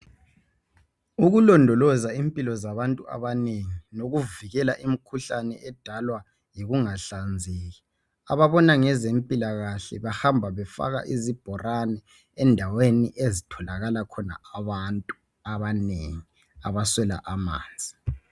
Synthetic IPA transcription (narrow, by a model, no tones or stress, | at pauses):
uɣulɔndʱɔlɔzaimpʼilɔzaβantʼua̰βaneŋinoɣuviɣɛlaʔimikʰuɬanɛ̰ʔɛd̥ʱalwa | jiɣuŋaɬand͡zʱiːɣi | aβaβɔnaŋɛzempʼilaɣaɬɛ̰βahambʱaβɛfa̰ɣa̰ʔizib̥ʱɔranɛː | ndʱaweniʔezitʰɔlaɣalakʰɔna̰aβantʼu | aβanḛŋi | aβaswɛla̰ʔama̰ːnd͡zʱi